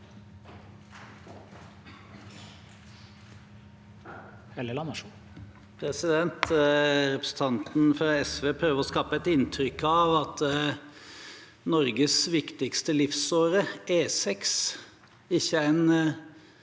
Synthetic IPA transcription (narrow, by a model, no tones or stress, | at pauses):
ɛləlɑmɑʂu | pʰɾɛsɪd̪ɛnt̪ɾɛpɾəsn̩t̪ʰɑnt̪n̩fɾɑɛsʋeːpʰɾøːʋəɾɔskɑːpəɛt̪ɪnt̪ʰɾʏkːɑʋɑt̪ | nɔɾɡəsʋɪkt̪ɪkst̪əlɪfsoːɾəeːsɛks | ɪçːəæɪn